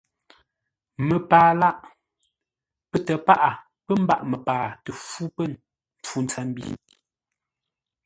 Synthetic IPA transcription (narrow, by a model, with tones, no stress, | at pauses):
mə˨paː˨la˦ʔ | pə˨tə˨pa˦ʔa˨ | pə˦m̩˦ba̰˦ʔmə˨paː˨tə˨fu˦pə˦˨n | n̩˨tu˦nt͡sa˦m˦bḭː˦˨